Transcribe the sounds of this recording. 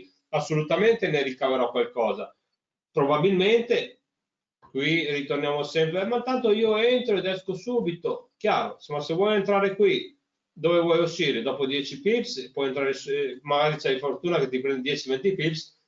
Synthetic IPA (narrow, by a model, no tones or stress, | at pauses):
asːolut̪ament̪eneɾikaveɾɔkːwalkɔːza | pɾobabilment̪e | kwirit̪ornjaːmosɛmpɾeɛmːant̪ant̪oiːoent̪ɾoed̪ɛskosuːbit̪okjaːɾo̰somːasevwɔjent̪ɾaːɾekwi | d̪ovevwɔjoʃiːɾed̪ɔːpod̪jɛt͡ʃipipspwɔjent̪ɾaːɾesmaɡaːɾit͡ʃajfoɾt̪uːnaket̪ːipɾɛnd̪d̪jɛt͡ʃimɛt̪ːipips